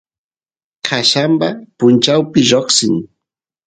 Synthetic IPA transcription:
kʰaʃambapʊnt͡ʃawpɪʒoχsɪŋ

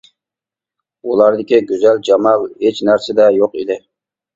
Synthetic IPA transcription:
ulˠɑɾd̪ɪkʲiɡʲøzæld͡ʒɑmɑlˠhet͡ʃnæɾsɪd̪ɛjoqid̪ɪ

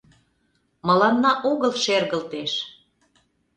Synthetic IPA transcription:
mɤ̆lɑnːɑʔoɣəlʃerɣəlt̪eʃ

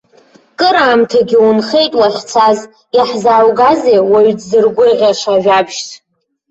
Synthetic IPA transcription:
kʼɨɾaːmtʰaɡʲiwunχe̞jtʼwaχʲt͡sʰaz | jaħzaːwɡazewaɥdzɨrɡʷʊʁʲaʂavabʒt͡sʰ

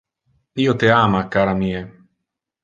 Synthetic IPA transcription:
iːot̪eaːmakaːɾamiːe

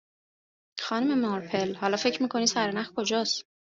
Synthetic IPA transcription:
xɒnume̞mɒɾpʰelhɒːlɒːfe̞cʰɾmiːkʰo̞nid̪sæɾenæxkʰo̞d͡ʒɒːs

